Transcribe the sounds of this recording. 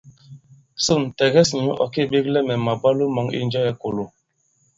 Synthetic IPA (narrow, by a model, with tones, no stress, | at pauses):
su˦˨n˨tɛ˨ɡɛ˦sɲu˦ʔɔ̰˨ki˦˨ɓi˦klɛ˦mɛ˨ma˨ba˦lu˦mɔ˨˦ŋḭ˦n˦d͡ʒɛ˦jɛ˨ko˨lo˨